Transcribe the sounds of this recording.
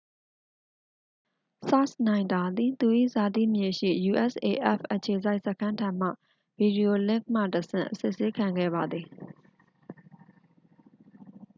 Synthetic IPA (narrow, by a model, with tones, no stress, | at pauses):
sa˦snã˨ɪ̃nd̪a˨d̪i˨t̪u˨ʔḭ˦˨za˨tḭ˦˨mje˨ʃḭ˦˨ju˨ʔɛ˦˨sʔe˨ʔɛ˦˨fʔət͡ɕʰe˨za˦ɪʔsə˦kʰã˦ntʰã˨m̥ä̰˦˨ | b̥i˨di˨o˨lɪ̃˦˨k̚m̥ä̰˦˨təsɪ̰̃˦˨ʔəsɪ˦˨ʔse˦kʰã˨ŋɡɛ̰˦˨ba˨d̪ði˨